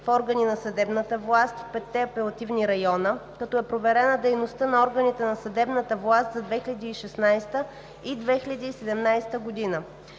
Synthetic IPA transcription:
fɔɾɡəninɐsɐd̪ɛbnət̪əvlˠast̪fpɛt̪ːɛɐpɛlˠɐt̪ivniɾɐjɔnəkɐt̪ɔɛpɾovɛɾɛnəd̪ɛjnost̪ənɐɔɾɡənit̪ɛnɐsɐd̪ɛbnət̪əvlˠast̪zɐd̪vɛxilʲɐd̪iːʃɛsnajst̪ə | id̪vɛxilʲɐd̪iːsɛd̪ɛmnajst̪əɡod̪inə

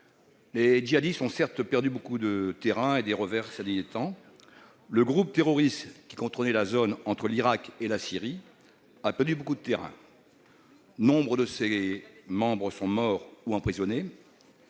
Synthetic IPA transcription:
led͡ʒiad̪ist̪ɔ̃sɛʁt̪pɛʁd̪ybokud̪ət̪eʁɛ̃ed̪eʁəvɛʁsɛd̪ijet̪ɑ̃ | ləɡʁup̚t̪eʁɔʁist̪kʲi̥kɔ̃t̪ʁɔnɛlazonɑ̃t̪χəliʁakelasiʁi | apɛʁd̪ybokud̪ət̪eʁɛ̰̃ | nɔ̃bʁəd̪əsemɑ̃bʁəsɔ̃mɔʁuɑ̃pχizɔne

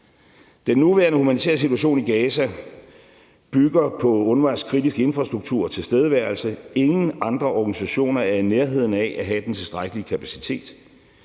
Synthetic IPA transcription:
d̥enːuʋæɐnəhumænit͡sʰḛːɐs̬it͡sʰuæɕ̬o̝̰ːniɡ̥ɛːsæ | b̥yɡ̥ɐpʰɒ̽ɔ̽nʋɑ̈nskʰʁidisɡ̥əe̝nfʁɑ̈sd̥ʁuɡ̥̚t͡sʰṵɐ̰t͡sʰe̝lsd̥eð̞ˠʋæɐlsəe̝ŋn̩ɑ̈nd̥ʁɐʔɒɡ̥ænisæɕo̝̰ːnɐææɐneɐɦe̝ð̞̰ˠn̩ɛʔæɦæd̥ent͡sʰe̝lsd̥ʁäɡ̥əliəkʰæpʰæsi̥t͡sʰe̝̰ːd̥

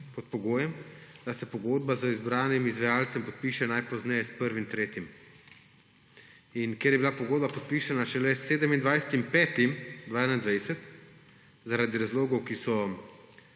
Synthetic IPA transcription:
pɔt̪̚pɔɡoːjɛmd̪̥asɛpɔɡoːd̪̚bazəizbɾaːnimizʋajaːlt̪sɛmpɔt̪̚piːʃɛnajpɔznɛjɛspəɾʋimt̪ɾeːt̪im | inkjeɾjɛbilapɔɡoːd̪̚bapɔt̪̚piːʃanaʃɛlɛseːd̪əmind̪ʋajsɛ̥t̪impɛːt̪imd̪ʋaɛnand̪ʋɛjsɛt̪ | zaɾad̪iɾazloːɡɔwkisɔ

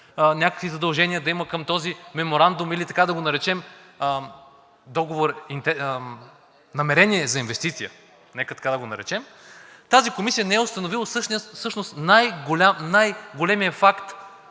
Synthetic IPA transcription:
nʲakə̥kvizɐd̪ɐlˠʒɛnijəd̪ɐiməkəmt̪ɔzimɛmoɾand̪ʊmilit̪ɐkad̪ɐɡonɐɾɛt͡ʃɛm | d̪ɔɡovoɾint̪ɛ | nɐmɛɾɛniɛzɐinvɛst̪it̪sijə | nɛkət̪ɐ̥kad̪ɐɡonɐɾɛt͡ʃɛmt̪azikomisiənɛɛʊst̪ɐnovilˠɐsɤʃniəsɤʃnost̪najɡolʲamnajɡolɛmijɐfakt̪

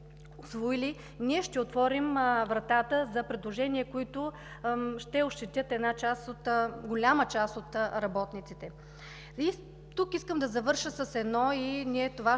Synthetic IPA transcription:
osvoili | niɛʃt̪ɛot̪vɔɾimvɾɐt̪at̪əzɐpɾɛd̪lˠoʒɛniɛkoit̪ʊ | ʃt̪ɛoʃt̪ɛt̪ʲjət̪ɛd̪nat͡ʃasot̪ɡolʲamət͡ʃasot̪ɾɐbɔt̪nit̪sit̪ɛ | i | t̪ukiskəmd̪ɐzɐvɤɾʃəsəsɛd̪nɔiniɛt̪ova

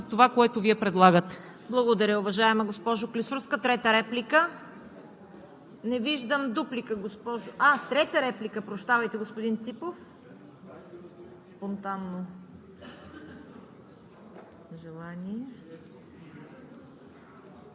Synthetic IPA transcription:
zɐt̪ovakoɛt̪ʊviɛpɾɛd̪lˠaɡət̪ɛ̥ | blˠɐɡod̪ɐɾʲəʊvɐʒaɛmɐɡospɔʒoklisuɾskət̪ɾɛt̪əɾɛplikə | nɛviʒd̪əmd̪uplikəɡospɔʒoat̪ɾɛt̪əɾɛplikəpɾoʃt̪avɐjt̪ɛɡospod̪int̪sipof | spont̪anːo | ʒɛlˠanʲiɛ

